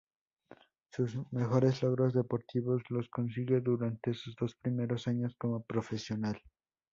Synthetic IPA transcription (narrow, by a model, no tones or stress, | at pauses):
susme̞xo̞ɾe̞zlo̞ɣɾo̞zðe̞po̞ɾt̪iβo̞slo̞sko̞nsiɣe̞ðuɾant̪e̞suzðo̞spɾime̞ɾosaɲo̞sko̞mo̞pɾo̞fe̞sjo̞nal